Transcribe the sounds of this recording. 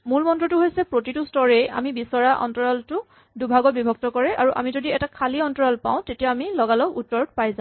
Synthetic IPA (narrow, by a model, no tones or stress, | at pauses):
mulmɔntɹɔtʊɦojsɛpɹotitustɔɹɛja̰mibisɔɹaʔɔ̰ntɔɹɔltʊ | dubʱaɡɔt̚bibʱɔk̚tɔkɔɹɛʔaɹuʔa̰mizodiɛtakʰaliɔntɔɹɔlpa̰w̃tetijaːmilɔɡalɔkutːɔɹd̚pajzã